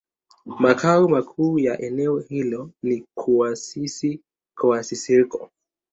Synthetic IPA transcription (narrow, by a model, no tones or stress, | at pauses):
makʰaumakʰuːjaʔɛnɛɔhilɔnikʰuwasisi | kɔasisikɔ